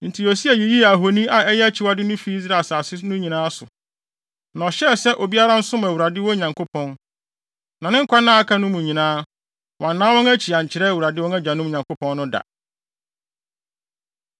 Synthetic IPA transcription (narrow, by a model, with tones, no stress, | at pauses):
n̩˨tʰi˨o˨si˦a˨ji˨ji˦˨a˨ɦo˨nĩ˦a˨ɛ˦jɛ˦æ˦t͡ɕʰɪ˨wa˦dɪ˦nʊ̃˦fi˦i˦zɾa˨sa˨sɪ˦nʊ̃˦ɲĩ˨nãː˦sʊ˨ | nã˨ɔ˨ɕɛ˦˨sɛ˦ʔo˨bi˦a˦ɾã˦n̩˦sʊ˦mã˨wu˨a˨dɪ˦wɔ̃˦ɲã˨ŋkʰo˦pʰɔ̃˦n | nã˨nɪ̃˦ŋ̩˦kʰʷa˦nã˦a˦kʰa˦nʊ̃˦mũ˨ɲĩ˨nãː˦ | wʔɔ̃˨nːãː˦wɔ̃˦ŋæ˦t͡ɕʰi˨a˨ɲ˨t͡ɕʰɪ˨ɾɛ˦˨u˨ɾa˨dɪ˦wɔ̃˦nɛ˦d͡ʑa˨nʊ̃˦m˦˨ɲã˨ŋkʰo˦pʰɔ̃˦nː˦ʊ̃˦da̰˨